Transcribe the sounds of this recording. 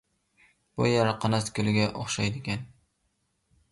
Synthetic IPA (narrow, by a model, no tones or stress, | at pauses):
b̥ʊjaɾaqʰɑnaskʲʰʊlɪɡʲaʔoχʃajd̪ɪɡʲan